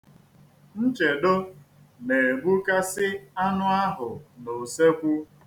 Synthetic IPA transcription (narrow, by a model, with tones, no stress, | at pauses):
n̩˦t͡ʃe˨do˦ | ne˨ɡ͡bu˦ka˦sɪ˦a˦nʊ˦a˦ɦʊ˨no˨se˦kʷu˦